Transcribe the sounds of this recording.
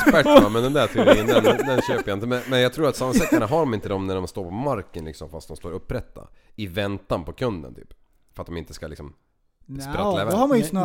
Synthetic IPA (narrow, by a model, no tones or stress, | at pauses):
spæamɛnd̪ɛnd̪æt̪ʰɪɪnd̪ɛnd̪ɛnɕøːpəjaɪnt̪əmɛnmɛnjaɡt̪ʰɾuːɾat̪samːaɛk̪anaɦaɖɔmɪnt̪əd̪ɔmnæɖɔmst̪oːɾpʰɔmaɾkənlɪ̰ksɔmfast̪̚d̪ɔmst̪oːɾɵpːɾɛt̪ːa̰ɪvɛnt̪ːanpʰɔkʰɵnd̪ə̰nt̪ʰy̰ːp | fœɾat̪̚d̪ɔmɪnt̪ə̥skalɪksɔm | sɾalɛvhaaj̪